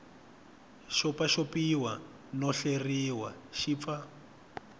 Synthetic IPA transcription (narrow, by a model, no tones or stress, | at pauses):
ʃɔpaʃopiwa | nɔɬeriwa̰ʃip̪fa